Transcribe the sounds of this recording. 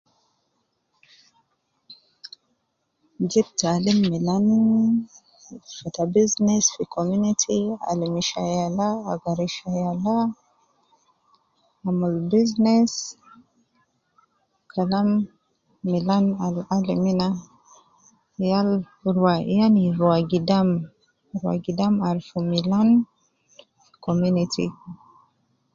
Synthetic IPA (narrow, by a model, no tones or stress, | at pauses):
d͡ʒip̚talimːilan | fat̪abiznesfikʰɔmunitʰia̰limiʃajalaːɡaɾiʃajala | mulbiznes | kʰalamː | ilanalalimina | jal | ɾwajaniɾwaɡidam | ɾwa̰ɡidamaɾfumilan | fikɔmunitʰḭ